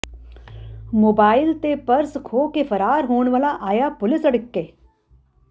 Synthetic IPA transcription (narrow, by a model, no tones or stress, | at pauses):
moːbaːɪlt̪epɐɾskʰoːkefɐɾaːɾɦoːɳ̃ʋaːlaʔaːjapʊlɪsɐɽəkːeː